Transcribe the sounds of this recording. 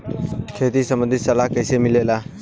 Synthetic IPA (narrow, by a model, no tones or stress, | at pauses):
kʰeːt̪iːsəmə̃nd̪ʱisəlaːkəɪseːmɪleːlaː